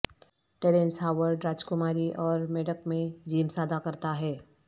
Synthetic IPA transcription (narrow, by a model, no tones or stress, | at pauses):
ʈeːɾẽnsɦaːʋəɾɖɾaːd͡ʒkʊmaːɾiʔɔːɾmeɖəkmẽd͡ʒiːmsaːd̪akɐɾt̪aɦɛː